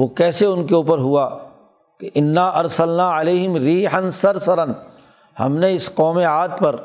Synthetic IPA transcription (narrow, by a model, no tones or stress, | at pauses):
ʋoːkɛːseʊnkeuːpəɾɦuaː | keʔɪnːaːʔɐɾsɐlnaːɪleːɦɪmɾiːħɐnsɐɾsɐɾɐn | hɐ̰mneɪsqɔːmeaːd̪pɐɾ